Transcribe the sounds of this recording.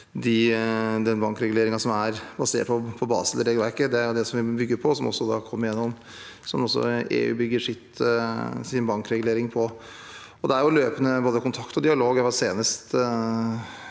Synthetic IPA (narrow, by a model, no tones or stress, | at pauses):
d̪ɪd̪ɛnbɑŋkɾɛɡʉleːɾɪŋɑsɔmæɾbɑseːʈ̚pʰɔpʰɔbɑ̰ːsəlɛɾɛɡlʋæɾkəd̪ɛæɾjʊd̪ɛsɔmʋɪbʏɡːəɾpʰɔsɔmɔ̰sːɔd̪ɑ̰ːkʰɔmːəɾjɛnːɔm | sɔmɔsːɔ̰ḛːʉ̰ːbʏɡːəʂɪt̪ | sɪnbɑŋkɾɛɡʉleːɾɪŋpʰɔ | ɔd̪ɛæɾjʊløːpənəboːd̪əkʰʊnt̪ʰɑkt̪ɔd̪ɪɑloːɡɛʋɑseːnəst̪